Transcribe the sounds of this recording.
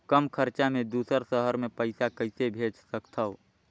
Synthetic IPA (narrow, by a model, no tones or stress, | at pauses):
kəmkʰəɾt͡ʃamẽd̪uːsəɾsəɦəɾmepəɪsakəɪsebʱed͡ʒsəkt̪ʰəo